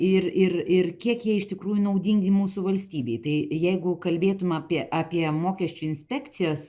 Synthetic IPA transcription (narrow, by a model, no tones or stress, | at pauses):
ɪrɪrɪrkʲiɛkjiɛɪʃt̪ʲɪkɾuːjʊnɐʊd̪ʲiŋʲɡʲɪmuːsʊʋɐlʲsʲt̪ʲiːbʲɛɪt̪ɐɪjɛɪɡʊkɐlʲbʲeːt̪ʊmʲɐːpʲiɛʔaːpʲiɛmoːkʲɛʃʲt͡ʃʲʊɪnʲsʲpʲɛːkt̪t͡ssʲɪjoːs